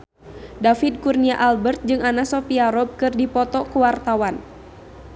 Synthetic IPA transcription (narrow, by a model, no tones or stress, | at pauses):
dafid̚kurniaʔalbərt̪̚d͡ʒɨŋanasɔpiaɾɔb̚kɨrdipɔt̪ɔkuwart̪awan